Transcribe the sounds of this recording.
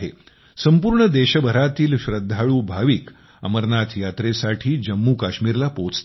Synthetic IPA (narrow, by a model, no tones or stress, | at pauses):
ɦḛ | səmpuːɾɳəd̪eɕəbʱəɾat̪iːlɕɾəd̪ʱːaɭuːbʱaʋiːk | ə̰məɾnat̪jat̪ɾesaʈʰiːd͡ʑəmːuːkaɕmiːɾlapot͡st̪